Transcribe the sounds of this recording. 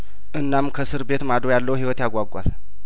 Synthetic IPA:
ʔɨnːamkʰəsɨɾbe̞t̪mad̪ɾojalːəwɦiwɔt̪jaɡʷaɡʷa̰l

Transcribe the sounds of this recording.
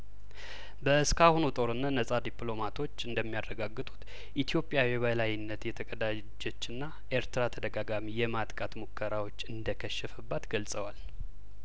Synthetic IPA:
bəskʰahonut̪ʼo̞ɾɨnːanəsʼad̪iplo̞mat̪ʰo̞t͡ʃːɨnd̪əmːijarːəɡaɡːɨt̪ʼu̥t̪ | ʔit̪ʰijo̞pʼjawjɛβəlajɪnːət̪jɛt̪ʰəkʼəd̪a | d͡ʒo̞t͡ʃːɨnːa | ʔeɾt̪ɨɾat̪ʰəd̪əɡaɡamijɛmat̪ʼkʼat̪mukʰːəɾawo̞t͡ʃːɨnd̪əkʰəʃːəfəbːat̪ɡəlsʼəwal

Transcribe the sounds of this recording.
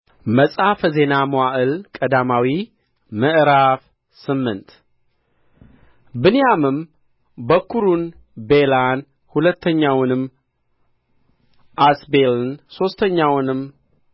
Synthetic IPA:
məsʼafze̞namoaʔɨlkʼəd̪amawi | məʔɨɾaf | sɨmːɨnt̪ | bɨnijamɨm | bəkʰuɾun | be̞lan | hulət̪ʰːəɲːawnɨm | ʔasbelnso̞st̪ʰəɲːawnɨm

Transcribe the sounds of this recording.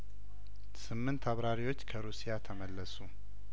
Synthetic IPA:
sɨmːɨnt̪ʰaβɾaɾiwo̞t͡ʃːkʰəɾusijat̪ʰəməlːəsu

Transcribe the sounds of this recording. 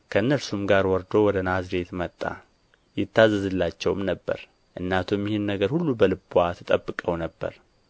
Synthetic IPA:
kʰəɨnːəlsumɡaɾwɔɾd̪o̞wɔd̪ənazɾe̞t̪mət̪ʼːa̰ | jɪt̪ːazːəzɨlːat͡ʃːɛwmnəbːə̰ɾ | ʔɨnːat̪ʰumːihunːəɡəɾhulːubəlɨbwat̪ʰɨt̪ʼəbːɨkʼəwnəbːə̰ɾ

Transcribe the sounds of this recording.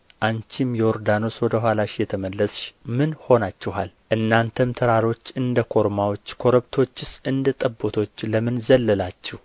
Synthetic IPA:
ʔant͡ʃʰimjɛoɾd̪ano̞swɔd̪əɦʷwalaʃjɛt̪ʰəməlːəsʃmɨnho̞nat͡ʃːɛɦalʔɨnːant̪ʰəmt̪ʰəɾaɾo̞t͡ʃːɨnd̪əkʰo̞ɾmawo̞t͡ʃːkʰo̞ɾəβt̪ʰo̞t͡ʃːɪsʔɨnd̪ət̪ʼəbːot̪ʰo̞t͡ʃːləmɨnzəlːəlat͡ʃːɛh

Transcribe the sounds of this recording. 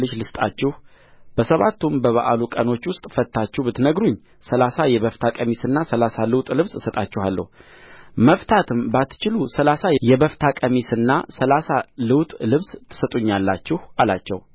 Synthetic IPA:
lɨʃlɨst̪ʼa̰t͡ʃːɛh | b̥əsəβat̪ːumbəβa̰ʔalukʼəno̞t͡ʃːwʊst̪ʼfət̪ʰːat͡ʃːuhbɨt̪nəɡɾuɲː | səlasajɛβəft̪ʰakʼəmisɨnːasəlasalɨwt̪ʼlɨβsɨsət̪ʼat͡ʃːɛhalːə̰hu | məft̪ʰat̪ʰɨmbat̪ːt͡ʃɪlusəlasajɛbəft̪ʰakʼəmisɨnːasəlasalɨwt̪ʼlɨβst̪ʰːɨ̥sət̪ʼuɲːalːat͡ʃːɪhalat͡ʃːɛ̰w

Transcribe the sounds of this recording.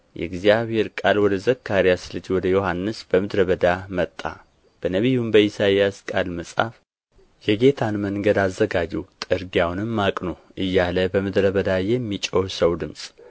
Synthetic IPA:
jʔɛ̰ɡzijaβhe̞ɾkʼalwɔd̪əzəkʰːaɾijasɨlɨd͡ʒwɔd̪əjo̞hanːɨsb̥əmɨd̪ɾəβəd̪amət̪ʼːa̰ | b̥ənəβijumbəjisajaskʼalməsʼa̰f | jɛɡe̞t̪ʰanməŋɡəd̪azːəɡad͡ʒiwt̪ʼɨɾɡiawnɨmːakʼnoʔɨjːaləbəmɨd̪ɾəβəd̪ajɛmːit͡ʃʼohsəwd̪ɨmsʼ

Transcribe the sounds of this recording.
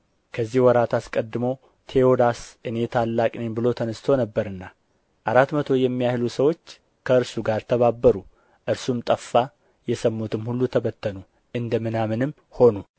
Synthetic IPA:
kʰəzːihwɔɾat̪ʰaskʼəd̪ːɨmo | t̪ʰe̞od̪asʔɨne̞t̪ʰalːakʼnenbɨlo̞t̪ʰənəst̪ʰownəbːəɾɨnːa | ʔaɾat̪mət̪ʰo̞jɛmːijahlusəwo̞t͡ʃː | kʰəɨɾsuɡaɾt̪ʰəβabːəɾu | ʔɨɾsumt̪ʼəfːa | jɛsəmːut̪ʰɨmhulːut̪ʰəβət̪ːənu | ʔɨnd̪əmɨnamɨnɨm | ho̞nu

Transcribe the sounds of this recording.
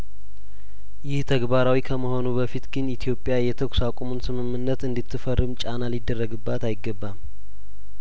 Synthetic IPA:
jɪht̪ʰəɡbaɾawikʰəməho̞nubəfit̪ɡɨnit̪ʰijo̞pʼjajɛt̪ʰəkʰʼsakʷʼomunsɨmɨmːɨnːət̪ɨnd̪it̪ʰːɨfərːɨmt͡ʃʼanalid̪ːərːəɡɨbːat̪ajɪɡːəbːam

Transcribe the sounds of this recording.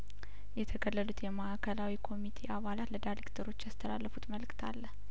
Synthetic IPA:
jɛt̪ʰəkəlːəlut̪jɛmaʔakʰəlawikʰo̞mit̪ʰe̞ʔaβalat̪ləd̪ajɾekt̪ʰəɾo̞t͡ʃːast̪ʰəlalːəfut̪məlkt̪ʰa̰lːəh

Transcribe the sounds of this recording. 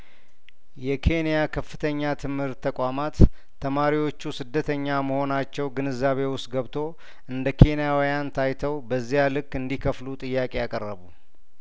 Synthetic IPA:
jɛkʰe̞nijakʰəfːɨt̪ʰəɲːat̪ʰɨmhɨɾt̪ʰːəkʷʼamat̪ʰː | əmaɾiwo̞t͡ʃːusɨd̪ːət̪ʰəɲːaməho̞nat͡ʃːɛwɡɨnɨzːaβe̞wʊst̪ʼɡəβt̪ʰo̞ | ʔɨnd̪əkʰe̞nijawijant̪ʰajt̪ʰəwbəzːijalɨkːɨnd̪ikʰəflut̪ʼɨjːakʼejakʼərːəβu

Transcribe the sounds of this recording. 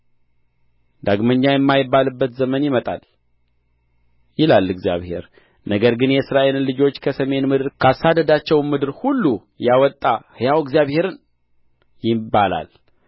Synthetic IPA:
d̪aɡməɲːajɛmːajɪbːalɨbːət̪zəmənjɪmət̪ʼa̰l | jɪlalːɨɡzija̰βhe̞̰ɾ | nəɡəɾɡɨnjɛɨsɨɾaʔe̞lnlɨd͡ʒo̞t͡ʃːkʰəsəme̞nmɨd̪ɨɾkʰasːad̪əd̪at͡ʃːɛwmɨd̪ɨɾhulːu | jawɔt̪ʼːahɨjawɡzjaβhe̞ɾɨn | jɪbala̰l

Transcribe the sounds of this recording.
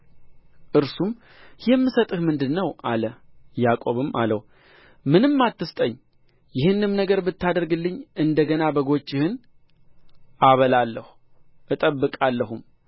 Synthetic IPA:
ʔɨɾsum | jɛmːɨsət̪ʼɨhmɨnd̪ɨnːəwʔaləjakʼo̞βɨma̰ləw | mɨnɨmːat̪ːɨst̪ʼəɲː | jɪhɨnːɨmnəɡəɾbɨt̪ːad̪əɾɡɨlːɨɲːɨnd̪əɡənabəɡo̞t͡ʃːɪhɨn | ʔaβəlalːəhu̥ | ʔɨt̪ʼəbːɨkʼalːəhum

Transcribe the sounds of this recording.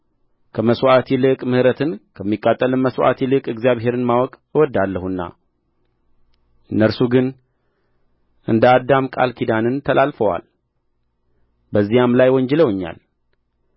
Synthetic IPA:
kʰəməswʔat̪ʰilɨkʼmɨhɾət̪ʰɨnkʰəmːikʼːat̪ʼːəlɨnməswʔa̰t̪ʰilɨkʼɨɡzijaβɦe̞ɾɨnmawɔkʼ | ɨwɔd̪ːalːəhunːa̰ | ʔɨnːəɾsuɡɨn | ʔɨnd̪əad̪ːamkʼa̰lkʰid̪anɨnt̪ʰəlʔalfəwa̰l | bəzːijamlajwɔɲd͡ʒɛləwɨɲːa̰l

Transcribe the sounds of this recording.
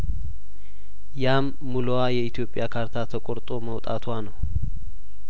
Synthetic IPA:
jamːulowajɛit̪ʰijo̞pʼːjakʰaɾt̪ʰat̪ʰəkʼoɾt̪ʼo̞məwt̪ʼa̰t̪ʰanəw

